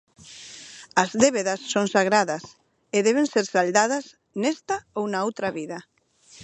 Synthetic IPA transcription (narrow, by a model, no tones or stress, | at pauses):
azðeβeðasːoŋsaɣɾaðas | eðɛβenseɾsald̪að̞as | nest̪aownaowt̪ɾaβiða